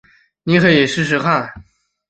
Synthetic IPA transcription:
ni˧˥xɤ˧˥jɛ˨˩ʂɻ̩˥˧ʂ̬ɻ̩˧˥kʰa˥˩

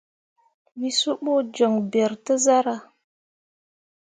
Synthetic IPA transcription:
wi˦su˦ɓo˦d͡ʒo˨ŋbe˨ɾtə˦za˦ɾa˨

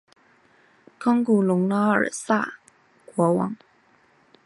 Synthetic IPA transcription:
kʰɑ˥ŋku˨˩lʊ˧˥ŋlɑ˥ə̰˞˨˩sa̰˥˩ | kwɔ˧˥wɑ̰˧˥ŋ

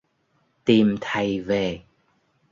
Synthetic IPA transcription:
t̪i˨˩mt̪ʰə˨˩jve˨˩

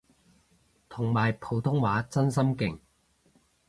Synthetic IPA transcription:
t̪ʰʊ˨˩ŋmaː˨˩jpʰo˨˧wt̪ʰʊ˥ŋwaː˨˥t͡sɐ˥ns̬ɐ˥mkɪ˨˩ŋ

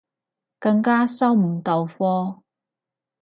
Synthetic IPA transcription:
kɐ˧ŋkaː˥sɐ˥wm̩˨˩ŋt̪ɐ˨wfɔː˥

